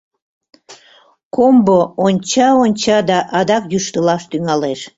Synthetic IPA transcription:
komboonʲt͡ɕɑonʲt͡ɕɑd̪ɑʔɑd̪ɑkjyʃt̪əlɑʃt̪yŋɑleʃ

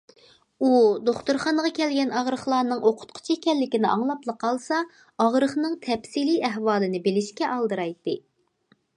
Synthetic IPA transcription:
ud̪oχt̪uɾχɑnəʁɑkʲʰɛlɡʲɛnɑʁɾəχlˠɑːnɨŋʔoqʰʊ̥t̪̚qʰʊ̥t͡ʃʰiekʲɛlːɪkʲinɪʔɑŋlˠɑplˠəqʰɑlˠsɑ | ɑʁɾəχnɨŋt̪ʰɛpsiliɛɦwɑːlˠɨnɪbelɪʃkʲɛʔɑlˠd̪ɨɾɑjt̪ːɨ

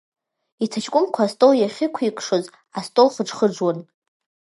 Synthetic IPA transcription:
itʰat͡ʃʰkʷʼʊmkʷʰastʼowjaχʲɪkʷʰikʷʼʰʂoz | astʼoχəʈ͡ʂχəʈ͡ʂwan

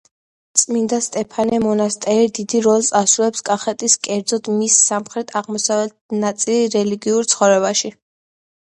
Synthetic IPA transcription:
t̪sʼmind̪ast̪ʼɛpʰanɛmɔnast̪ʼɛɾid̪id̪iɾɔlˠt̪ʼasulɛpskʼaχɛt̪ʼiskʼɛɾd̪zɔd̪misːamχɾɛt̪ʼʰaʁmɔsavɛt̪̚nat̪sʼiliɾɛliɡiuɾt̪sʰχɔvɾɛbaʃi

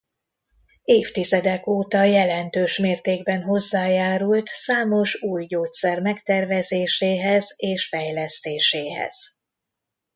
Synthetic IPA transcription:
eːft̪izɛd̪ɛkoːt̪ɒjɛlɛnt̪øːʃmeːrt̪eːɡbɛnɦo̞zːaːjaːɾult̪saːmo̞ʃuːjɟoːt̪sɛrmɛkt̪ɛrvɛzeːʃeːɦɛzeːʃfɛjlɛst̪eːʃeːɦɛ̰z̥

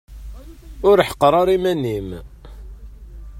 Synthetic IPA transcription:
ʊɾħə̥qːəɾˤɑɾimænim

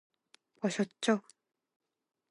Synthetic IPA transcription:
wʌɕʌt̪̚t͡ɕ͈o

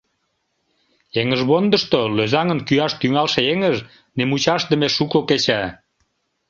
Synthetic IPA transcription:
eŋəʒβond̪əʃt̪oløzɑŋənkyɑʃt̪yŋɑlʃeeŋəʒ | nemut͡ɕɑʃd̪əmeʃukoket͡ɕæ

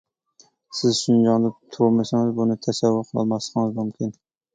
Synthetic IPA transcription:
sɪzʃʊnd͡ʒɒŋd̪ɪt̪ʰomasaŋɪzbʊnɪt̪ʰasavːʊqʰɨlˠɑ̰masqɨŋɪzmʊmkʲʰɪn

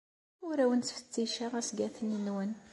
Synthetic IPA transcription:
ʊɾæwənt͡sfə̥t͡sːiʃaʁæsɡæθənənwən

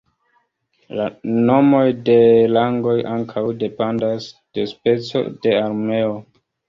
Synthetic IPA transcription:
lano̞mo̞jde̞laŋɡo̞jʔaŋkʰawde̞pandasd̥e̞spe̞t͡so̞̰de̞aɾmeo

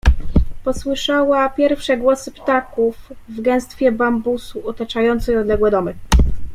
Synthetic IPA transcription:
pɔswɘʂawapʲjɛɾfʂɛɡwɔsɘpt̪akufvɡɛw̃st̪fʲjɛbambusuɔt̪at͡ʂajɔnt̪sɛjɔd̪lɛɡwɛd̪ɔmɘ

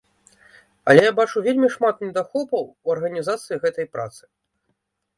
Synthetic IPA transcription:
ɐ̰lʲɛjabat͡ʂuvʲelʲmʲiʂmat̪nʲɛd̪axɔbɐwuɐrɣɐnʲizat̪sɨjiɣɛt̪ɐjpɾa̰t̪sɨ̥

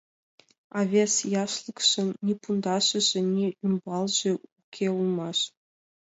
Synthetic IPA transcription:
ɑvʲesjɑʃlˠɤ̆kʂɤ̆nːʲipund̪ɑʂɤ̆ʑɘ̆nʲiymbɑlˠʑɘ̆ukʲʰeulˠmɑʃ

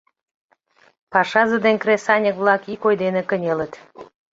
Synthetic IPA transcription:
pɑʃɑzəd̪enkresɑnʲəkβlɑkikojd̪enekənʲelət̪

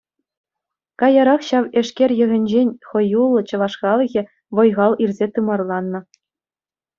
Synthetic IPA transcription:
kɑjɑɾɑχɕɑʋĕʂkʲerʲjɘ̆ɣʲɘ̆nʲd͡ʑenʲχɤ̆julˠːɤ̆t͡ɕɤ̆ʋɑʂkɑlˠɤ̆ɣʲɘ̆ | ʋɤ̆jʁɑlˠirʲzʲet̪ɯmɑrlˠɑnːɤ̆

